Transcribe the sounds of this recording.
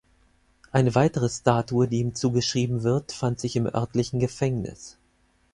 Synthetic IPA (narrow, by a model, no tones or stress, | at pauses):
ʔaɪnəvaɪtəʁ̞əstaːtuədiːiːmt͡suːɡəʃʁ̥iːbm̩vɪɐtfantz̥ɪçɪmʔœ̰ɐtlɪçn̩ɡəfɛŋnɪ̰s